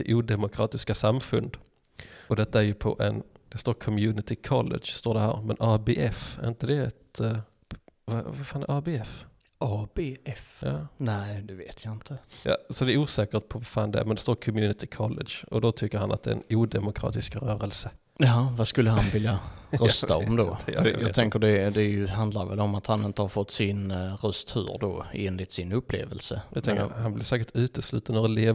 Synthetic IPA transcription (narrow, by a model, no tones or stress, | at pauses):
ɪʔuːd̪ɛmʊkʰɾɑːt̪ɪskasamːfɵnd̪ | ʔɔd̪ɛt̪ːaæɾjɵpʰɔ̰ʔɛnd̪̥ɛst̪oːɾkʰɔmjʉːnɪt̪ɪkʰɑlːɛ̰d̪ʂst̪oːɖɛhæːɾmɛ̰nɑbeʔɛfæɾɪnt̪əd̪ɛɛt̪ | va̰vaɾfɑːnɛ̰ɾɑːbeːɛfʔɑːbeːɛfjɑ̰ːnæɪd̪ɛvḛːt̪ʰjaɪnt̪ʰəjɑ̰ːsɔd̪ɛæɾuːsɛːkəʈ̪̚pʰɔvaɾfɑːnd̪ɛmɛnd̪ɛst̪oːɾkʰɔmjʉːnɪt̪ɪkʰɑlːɛ̰d̪ʂɔd̪ɔt̪ʰʏkːəɾhanat̪̚d̪ɛ̰ɛ̰nuːd̪ɛmʊkʰɾɑ̰ːt̪ɪskɾœːɾəlsə | jɑɦɑvaskɵlːəɦanvɪljaɾœst̪aɔmd̪ɔ̰jɑt̪ʰɛŋkəɖɛd̪ɛjɵɦand̪laɾvɛ̰lːɔmat̪hanɪnt̪əhaɾfɔt̪ːsɪnɾœst̪hʉ̰ːɾdɔ̰eːnlɪt̪sɪnɵpːlḛːvəlsəd̪ɛt̪ʰɛŋkə̰hanblɪɾsɛːkəɾʈ̪ʉ̟ːt̪əslʉ̟̰ːt̪anɾɛleː